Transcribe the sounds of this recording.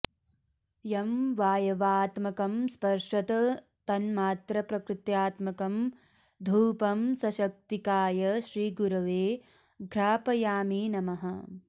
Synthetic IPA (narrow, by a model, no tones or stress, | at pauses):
jɐmʋaːjɐʋaːt̪mɐkɐmspɐɾʃʋɐt̪ɐ | t̪ɐnmaːt̪ɾɐpɾɐkɾɪt̪jaːt̪mɐkɐm | d̪ʱuːpɐmsɐʃɐk̚t̪ikaːjɐʃɾiːɡuɾɐʋeː | ɡʱɾaːpɐjaːmiːnɐmɐɦɐ